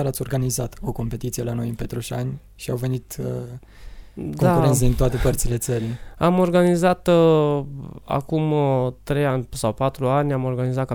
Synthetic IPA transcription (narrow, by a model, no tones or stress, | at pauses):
aɾat̪sʲo̞rɡanizat̪o̞ko̞mpe̞t̪it̪sijelano̞jɨmpet̪ɾoʃanʲ | ʃiawve̞nit̪ | dkoakuens̬əd̪int̪oat̪e̞pərt̪sile̞t̪səɾiamo̞rɡanizat̪ | a̰kumt̪ɾe̞janʲsawpat̪ɾuanʲamo̞rɡanizat̪̚ka